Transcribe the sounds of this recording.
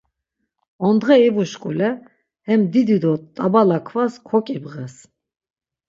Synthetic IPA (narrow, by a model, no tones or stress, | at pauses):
ɔnd̪ʁɛibuʃkʼulɛ | hɛmd̪id̪id̪ɔt̪ʼabalakʰvaskʰɔkʼibʁɛs